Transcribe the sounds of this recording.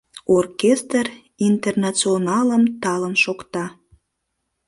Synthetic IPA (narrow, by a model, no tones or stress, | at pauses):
orkest̪r | int̪ernɑt͡sionɑləmt̪ɑlənʃokt̪ɑ